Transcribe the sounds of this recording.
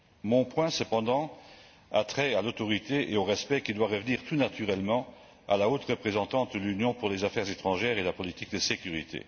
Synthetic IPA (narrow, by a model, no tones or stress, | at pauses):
mɔ̃pwɛ̃səpɑ̃d̪ɑ̃ | at̪χɛalot̪ɔʁit̪eeoʁɛspɛkid̪waʁəvniːʁt̪unat̪yʁɛlmɑ̃ | a̰laot̪ʁəpχezɑ̃t̪ɑ̃t̪̚d̪əlynjɔ̃puʁlezafɛʁzet̪χɑ̃ʒɛːʁelapɔlit̪ik̚d̪əsekʲyʁḭt̪ʰḛ